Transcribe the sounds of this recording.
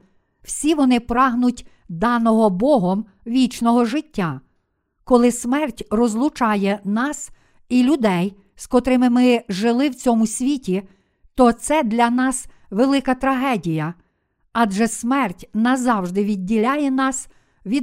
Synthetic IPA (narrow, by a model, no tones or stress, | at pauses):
w̥sʲiʋɔnɪpɾɑɦnʊtʲ | d̪ɑnɔɦɔbɔɦɔm | ʋʲit͡ʃnɔɦɔʒɪtʲːa | kɔlˠɪsmɛrtʲrɔzlˠʊt͡ʃɑjɛnɑs | ilʲʊd̪ɛj | skɔt̪ɾɪmɪmɪʒɪlˠɪwt͡sʲɔmʊsʲʋʲitʲi | t̪ɔt̪sɛd̪lʲɐnɑs | ʋelˠɪkɐt̪ɾɐɦɛdʲijɐ | ɑdʒɛsmɛrtʲnɐzɑwʒd̪ɪʋʲidʲːilʲajɛnɑs | ʋʲi